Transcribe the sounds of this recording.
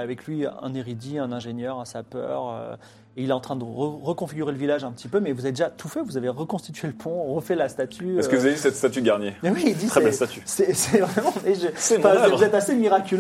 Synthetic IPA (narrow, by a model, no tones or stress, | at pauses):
avɛklɥiɛ̰̃neʁid̪iɛ̃nɛ̃ʒenjœʁasapœ̰ːʁø̰ | eilɛt̪ɑ̃t̪χɛ̃d̪əʁəʁəkɔ̃fiɡʲyʁeləvilaʒɛ̃pət̪ʰipømɛvuzaved̪eʒat̪ʰufɛvuzaveʁəkɔ̃st̪it̪ɥeləpʰɔ̃ʁəfɛlast̪at̪ʰyɛskəvuzaveisɛt̪st̪at̪yɡaʁnjemɛwiːd̪iχɛbɛlst̪at̪ysɛsɛvʁɛmɑ̃mɛʒə̃fɛ̃vuzɛt̪asemiʁakʲyl